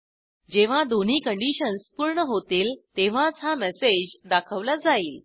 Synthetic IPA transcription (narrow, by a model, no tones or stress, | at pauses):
d͡ʑeʋ̤ãd̪on̤iːkəɳɖiɕənspuɾɳəɦot̪iːlt̪eʋ̤ãt͡samɛsed͡ʑd̪akʰəʋlad͡zaiːl